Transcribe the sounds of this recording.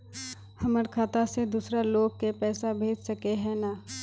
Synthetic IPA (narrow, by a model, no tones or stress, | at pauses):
hɐməɾkʰaːt̪ased̪uːsɾaloːɡ̚kepɛːsabʱeːd͡ʒsɐkeɦɛ̃na